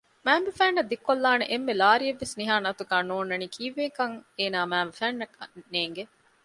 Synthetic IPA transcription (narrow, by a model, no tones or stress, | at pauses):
mæːmbefæːnːɐd̪ikːolːaːneʔemːelaːɾieʋːesniɦaːnɐt̪uɡaːnoːnːɐniːkʰiːʋeːkɐŋeːnaːmæːmbefæːnːɐkɐnːeːŋɡe